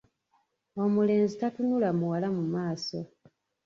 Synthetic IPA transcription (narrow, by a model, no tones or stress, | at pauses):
o̞mule̞ːnzitatunulamuwalamumaːso